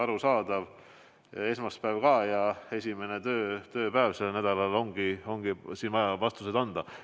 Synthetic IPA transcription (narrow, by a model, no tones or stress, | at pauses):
ɑɾusɑːd̪̥ɑv | e̞smɑspæːvkɑːjɑe̞sʲime̞net̪øːt̪ø̞ːpæevse̞lnæd̪̥ɑlɑlo̞ŋɡ̥io̞ŋɡ̥isiːnvɑjɑvɑst̪use̞d̪ɑnd̪̥ɑ